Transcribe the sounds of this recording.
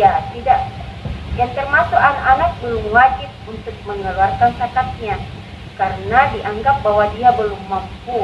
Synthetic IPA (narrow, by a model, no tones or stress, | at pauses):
jat̪idaʔ | jaŋt̪ərmasuʔanakanak̚bəlʊmwad͡ʒɪt̪̚unt̪ʊk̚məŋəlarkansakat̪̚ɲa | kaɾənadiʔaŋɡap̚bawadiabəlumːampu